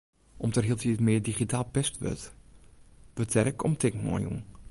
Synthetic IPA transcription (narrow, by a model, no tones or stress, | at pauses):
ʔɔmtərɦilˠtiətmɪədiχitʰaːlˠpɛstʋø̰t | b̥ətʰɛrəkʰɔmtʰɪknɔ̰jṵŋ